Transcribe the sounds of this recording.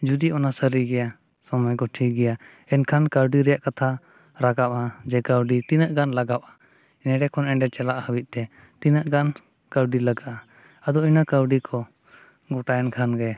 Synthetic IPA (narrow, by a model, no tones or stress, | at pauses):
d͡ʒud̪iʔɔnasəɾiɡɛja | sɔmɔjkɔʈʰiɡɛja | ɛnkʰankawɖiɾɛjaʔkat̪ʰa | ɾaɡaʔad͡ʒɛkawɖit̪inəʔɡanlaɡaʔʔa | nɛɖɛkʰɔnɛɳɖɛt͡ʃɛlaʔhəwit̪̚ˀt̪ɛ | t̪inəʔɡan | kəwɖilaɡaʔa | ad̪ɔinakəwɖikʰɔ | ɡɔʈajɛnkʰanɡɛ